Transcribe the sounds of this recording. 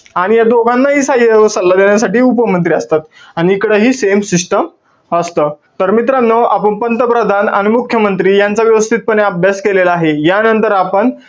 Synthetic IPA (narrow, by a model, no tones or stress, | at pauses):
aɽ̃ijad̪oɡʱãnːaɦiːsajəsəlːad̪eɳjasaʈiːupəmənt̪ɾiəst̪at̪aɽ̃iːkɽəːɦiːsemsiʂʈəm | əst̪əːt̪əɾmit̪ɾanːəʔapəɳpənt̪əpɾəd̪ʱana̰ɽ̃imukʰjəmənt̪ɾiːjant͡saʋjəʋəst̪ʰiːt̪̚pəɳeaəbʱjaskelelaːɦejanənt̪əɾapəɳ